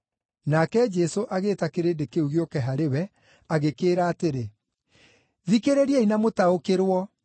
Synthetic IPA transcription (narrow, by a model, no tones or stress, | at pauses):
nakɛd͡ʒɛsoʔaɣeːtakeɾeːndekeuɣiokɛɦaɾewɛ | aɣekeːɾaːteɾe | ðikeɾeɾiɛinamotaokeɾwɔ